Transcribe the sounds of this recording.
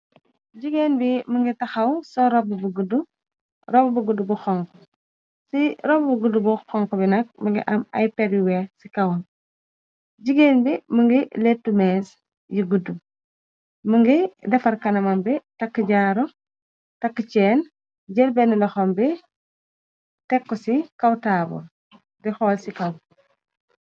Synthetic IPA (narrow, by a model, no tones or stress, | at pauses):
ɟiɡeːnbiməŋɡitɐxɐwsɔɾɔbubuɡudu | ɾɔbbuɡudubuxɔŋkɔ | siɾɔbbuɡudubuxɔŋkɔbinɐk̚mɐŋɡḭʔɐmɐ̰jpɛɾjuwɛsikɐwɐn | ɟiɡeːnbiməŋɡiletːumɛːs | jiɡudum | məŋɡidɛfɐɾkɐnɐmɐmbitakːəɟaːɾɔ | takːət͡ʃɛːn | ɟɛlbɛnilɐxɔmbi | tɛkːɔsikɐwtaːbṵ | dɛxɔːlsikɐw